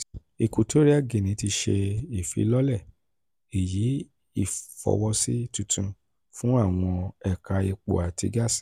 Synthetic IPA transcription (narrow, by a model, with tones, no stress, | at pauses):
i˨ku˨to˦ɾi˦ɛ˦˨ɡe˨nĩ˨˦ti˧ʃe˧i˨fḭ˧˦lɔ˦lɛ˦˨ | e˨ji˨˦ | i˦˨fɔ̰˨˧wɔ˧si˦tu˧tũ˧ | fũ˦a˦˨w̃ɔ̃˧ɛ˦˨ka˧i˧k͡po̰˨a˨ti˧ɡa˦˨sĩ̥˨˦